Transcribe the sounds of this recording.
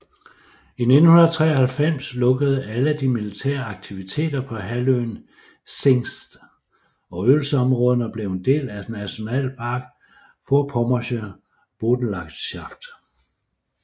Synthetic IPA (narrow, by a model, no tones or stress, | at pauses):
ine̝d̥n̩hunɐt͡sʰʁɛ̰ːɒhælfem̰slɔ̽ɡ̥əð̞̩ˠæləæd̥imilit͡sʰḛːɐɑ̈ɡ̥̚t͡sʰiʋit͡sʰe̝̰ːd̥ɐpʰɒ̽ɦæløːn | se̝ŋsd̥ | ɒ̽ølsəɒ̽mʁɔ̽ːðˠənəb̥le̝ʊend̥e̝̰ːlæd̥næɕo̝nɛ̰ːlpʰɑ̈ɡ̥ | fɒpʰɒmɒɕə | b̥o̝ːd̥n̩lɑ̈ɡ̥ɕɑ̈fd̥